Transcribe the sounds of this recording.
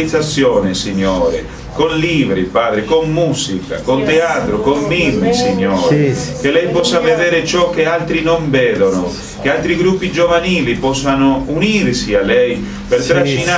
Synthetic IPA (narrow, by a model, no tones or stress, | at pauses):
it̪sːat̪sːjɔːnɪsiɲːɔːɾɪ̰ | konliːvɾipaːd̪ɾɪkomːuːzika̰kont̪eaːt̪ɾʊkomːiːvɾisiɲːɔːɾek̟elɛjpɔsːavɛd̪ɛːɾɪt͡ʃɔk̟ːealt̪ɾinoɱvɛːd̪onʊ | k̟ealt̪ɾiɡɾupːid͡ʒovaniːlipɔsːanʊuniːrsialɛj | pert̪ɾaʃina